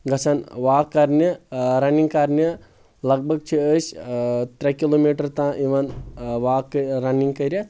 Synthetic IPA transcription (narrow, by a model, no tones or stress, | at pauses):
ɡɐsʰɐnʋaːkːɐɾnɐɾɐniŋɡkaɾnɐ | lɐɡ̚bʱɐɡ̚t͡ʃʰiəːst̪ɾɐkiloːmiːʈɐɾt̪ãːʔiʋɐnʋaːkːɐɾɐniŋɡkɐɾʲɐ